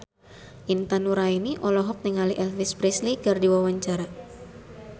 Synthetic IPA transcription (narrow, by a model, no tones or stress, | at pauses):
ʔint̪anuɾainiʔɔlɔɦɔk̚niŋaliʔɛlfispɾisliɡardiwawaɲt͡ʃaɾa